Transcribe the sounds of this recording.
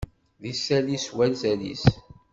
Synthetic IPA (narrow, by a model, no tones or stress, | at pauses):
ðisːæliswælzælḭs